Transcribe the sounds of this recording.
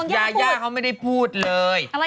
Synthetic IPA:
jaː˧jaː˧˥˩kʰa˧˥˩wma˥˩jda˥˩jpʰuː˥˩t̪̚lɤː˧j

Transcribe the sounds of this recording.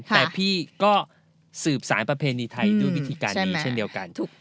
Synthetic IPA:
t̪ɛː˨˩pʰiː˥˩kɔː˥˩ | sɯː˨˩p̚saː˩˦npɾa˧pʰeː˧niː˧t̪ʰa˧jdɯ˥˩wi˦˩t̪ʰiː˧kaː˧nː˥˩iː˦t͡ɕʰːe˥˩ndi˧əwka˧nt̪ʰu˨˩

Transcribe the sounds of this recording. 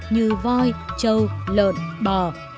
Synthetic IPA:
ɲɨ˧˨˩vɔ˧jt͡ɕə˧wlə̰ː˧˨nɓəː˨˩

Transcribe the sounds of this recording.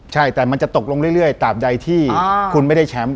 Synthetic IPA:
t͡ɕʰa˥˩jt̪ɛː˨˩ma˧nt͡ɕa˨˩t̪o˨˩k̚lo˧ŋɾɯ˥˩jɾɯ˥˩əjt̪aː˨˩p̚da˧jt̪ʰiː˥˩kʰu˧nma˥˩jda˥˩jt͡ɕʰɛː˦m

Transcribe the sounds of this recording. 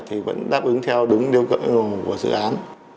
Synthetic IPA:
t̪ʰi˨˩və̰˧˥nɗaː˦˥p̚ʔɨ˨˦ŋt̪ʰɛ˧wɗʊ˨˦ŋ͡mɗi˧əwkə̰˧˨ŋo˨˩ku˧˩əzɨ̰˧˨ʔaː˨˦n

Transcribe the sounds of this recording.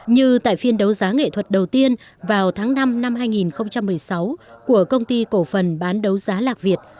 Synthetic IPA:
ɲɨ˧t̪a̰ː˧˨jfi˧ənɗə˨˦wzaː˨˦ŋḛ˧˨t̪ʰwə˨˩t̚ɗə˨˩wt̪i˧ən | vaː˨˩wt̪ʰaː˨˦ŋna˧mna˧mɦaː˧jŋi˨˩nxə˧wŋ͡mt͡ɕa˧mːɨ˨˩əjsa˨˦wku˧˩əkə˧wŋ͡mt̪i˧ko˧˩fə˨˩nɓaː˨˦nɗə˨˦wzaː˨˦laː˨˩k̚vi˨˩ət̚

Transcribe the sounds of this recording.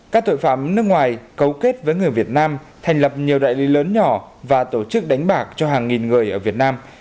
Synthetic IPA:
kaː˦˥k̚t̪o̰˧˨jfa̰ː˧˩mnɨ˦˥ək̚ŋwaː˨˩jkə˨˦wke˦˥t̚vəː˨˦jŋɨ˨˩əjvi˨˩ət̚naː˧m | t̪ʰa˨˩jŋ̟lə˨˩p̚ɲi˨˩əwɗa̰ː˧˨jli˨˦ləː˨˦nɲɔ˧˩vaː˨˩t̪o˧˩t͡ɕɨ˦˥k̚ɗa˨˦jŋ̟ɓaː˧˩k̚t͡ɕɔ˧ɦaː˨˩ŋŋi˨˩nŋɨ˨˩əjʔəː˧˩vi˨˩ət̚naː˧m

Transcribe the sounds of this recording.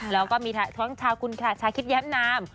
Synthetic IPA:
lɛː˦˥wkɔː˥˩miː˧a˧˩t̪ʰu˦˥˦ŋt͡ɕʰaː˧wkʰu˧nkʰaː˨˩t͡ɕʰaː˧kʰi˦˥t̪̚jɛː˦˥mnaː˧˥m

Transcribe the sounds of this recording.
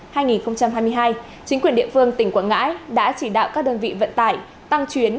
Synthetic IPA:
haː˧jŋi˨˩nxə˧wŋ͡mt͡ɕa˧mɦaː˧jmɨ˧əjɦaː˧j | t͡ɕï˨˦ŋ̟kwi˨˩ənɗḭ˧˨əfɨ˧əŋt̪ï˧˩ŋ̟kwa̰ː˧˥nŋa̰ː˧˥jɗa̰ː˧˥t͡ɕi˧˩ɗa̰ː˧˨wkaː˦˥k̚ɗəː˧nvḭ˧˨və̰˧˨nt̪aː˧˩j | t̪a˧ŋt͡ɕwi˨˦ən

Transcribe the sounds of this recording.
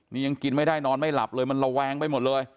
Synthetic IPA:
niː˦˥˩ja˧ŋki˧nma˥˩jdaː˥˩jnɔː˧nma˥˩jla̰˨˩p̚lɤː˧jma˧nɾa˧wɛː˧ŋpa˧˩jmo˨˩t̪̚lɤː˧j

